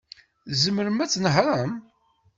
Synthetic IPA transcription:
zəmːəɾəmæt͡sːnɦɾəm

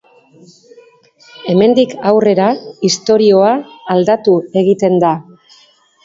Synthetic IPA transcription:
e̞me̞nd̪ikawre̞ɾaist̪o̞ɾio̞aːld̪at̪ue̞ɣ̞it̪e̞nd̪a

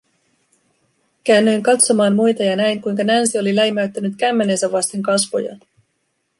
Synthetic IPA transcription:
kæːnːøjŋkɑt̪so̞mɑːnmujt̪ɑjɑnæjŋkujŋkɑnænsio̞lilæimæɥt̪ːænyt̪kæmːe̞ne̞nsæʋːʋɑst̪e̞ŋkɑsʋo̰jɑ̰

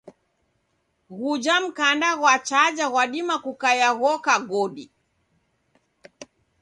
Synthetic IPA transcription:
ɣud͡ʒam̩kandaɣwat͡ʃad͡ʒaɣwaɗimakukajaɣɔkaɡɔɗi

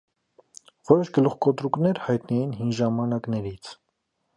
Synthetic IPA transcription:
vɔɾɔʃɡəluχkɔt̪ɾuknɛɾhɑjt̪nɛjinɦinʒɑmɑnɑknɛɾit͡sʰ

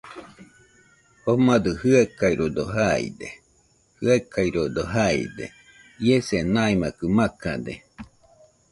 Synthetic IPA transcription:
homad̪ɯhɯakaiɾod̪oɦaḭd̪ḛ | hɯakaiɾod̪oɦaḭd̪ḛ | iesenaimakɯmakad̪ḛ

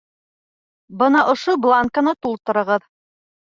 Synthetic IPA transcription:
bɤnɑʔŏʃoblˠaŋkanɤt̪ulˠt̪ɤ̆ɾɤ̆ʁɤð

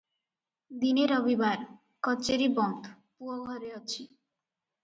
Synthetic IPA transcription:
d̪ineɾɔbibaɾ | kɔt͡ɕeɾibɔnd̪ | puoɡʱɔɾeɔt͡ɕʰi

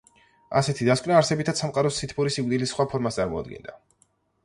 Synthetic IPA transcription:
a̰sɛt̪ʰid̪askʼwnaːɾsɛbit̪ʰat̪samqʼaɾɔsit̪ʰpʰuɾisik̚ʷʼd̪ilisχwapʰɔɾmast̪sʼa̰ɾmɔa̰d̪̚ɡɛ̰nd̪a

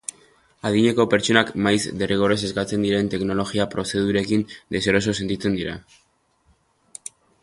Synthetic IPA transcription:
aðiɲe̞ko̞pe̞ɾt͡ʃo̞nakmajzd̪e̞riɣ̞o̞rese̞skat͡se̞nd̪iɾe̞nt̪e̞kno̞lo̞ɣiapɾo̞se̞ð̞uɾe̞kind̪e̞seɾo̞so̞se̞nt̪it͡se̞nd̪iɾa̰

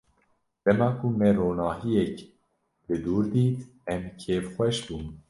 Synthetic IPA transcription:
d̪̥ɛmɑːkʰumɛɾoːnɑːɦijɛk | bɨd̪uːɾd̪iːt̪ | ɛmkʰeːfxʷɛʃbuːm

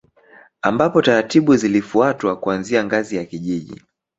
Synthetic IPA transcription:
ambapɔtaɾatiɓuzilifuatwakuanziaŋɡazijakiʄiʄḭ

